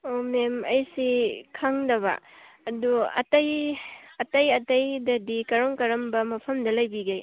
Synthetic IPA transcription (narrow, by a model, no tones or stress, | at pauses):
omemɐ̰jsikʰaŋdɐβɐ̰ | ɐduɐ̰tɐjɐtɐjɐtɐjdɐdikɐɾoŋkɐɾɐmbɐmɐpʰɐmdɐlɐjbiɡaj